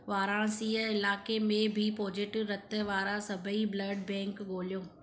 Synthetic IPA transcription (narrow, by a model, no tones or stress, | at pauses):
ʋaːɾãɽ̃siəɪlaːkemẽbʱɪpoːd͡ʑɪʈɾɐt̪̆ʋaːɾãsɐbʱəibləːɖbɛ̃ːŋkɠoːlijõː